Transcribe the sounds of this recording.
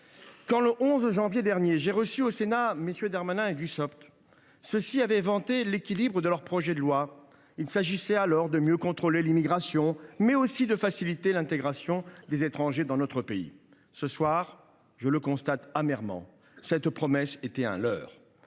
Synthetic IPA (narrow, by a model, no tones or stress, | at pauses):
kɑ̃ləʔɔ̃zʒɑ̃vjed̪ɛʁnjeʒeʁəsyosenamesjød̪aʁmanɛ̃ed̪ysɔpt̪ | səsiavɛvɑ̃t̪elekʲilibʁəd̪əlœʁpχɔʒɛd̪əlwa | ilsaʒisɛalɔʁd̪əmjøkɔ̃t̪χolelimiɡʁasjɔ̃mɛosid̪əfasilit̪elɛ̃t̪eɡʁasjɔ̃d̪ezet̪χɑ̃ʒed̪ɑ̃nɔt̪χəpeḭ | səswaʁ | ʒələkɔ̃st̪at̪amɛʁmɑ̰̃ | sɛt̪pχɔmɛset̪ɛɛ̰̃lœ̰ːʁ